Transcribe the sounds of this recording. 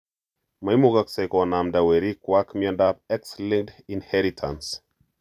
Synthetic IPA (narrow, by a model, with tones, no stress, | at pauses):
ma˨jmuɡakse˨kɔ˨na˨mda˨wɛ˨ɾi˦kwa˦kmjɔndap̚ɛ˦kslĩ˦ŋk̚dinhɛɾitʰa̰˨ns